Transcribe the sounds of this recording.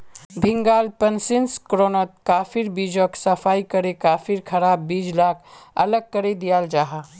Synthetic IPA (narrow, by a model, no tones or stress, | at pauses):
bʱɪ̃ŋɡaːlpɐnsɪnskɾoːnot̪̚kaːfɪɾbiːd͡ʒoːksɐfʰaːikɐɾekaːfʰɪɾkʰɐɾaːbːiːd͡ʒlaːkʰɐ̰ləɡ̚kəɾed̪ijaːld͡ʒaːɦaː